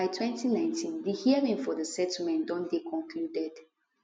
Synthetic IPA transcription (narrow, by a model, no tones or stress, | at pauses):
aɪtʰwɛ̃ntʰinãɪ̃ntʰĩndihiəɹĩŋfɔðəsɛtʰl̩mɛ̃ndɔ̃ndekʰɔ̃nkʰludɛd̥